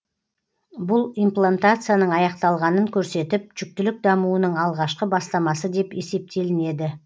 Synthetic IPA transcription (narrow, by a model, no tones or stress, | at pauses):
bʊlˠijmplˠant̪at̪sɨjanəɴɑjɑqt̪ɑlˠʁɑnəŋkʲʰɵɾse̞t̪ɪp̚ʒʏk̚t̪ɪlɪk̚d̪ɑmuənəɴɑlˠʁɑʃqəbɑst̪ɑmɑsəd̪e̞pe̞se̞p̚t̪e̞lɪne̞d̪ɪ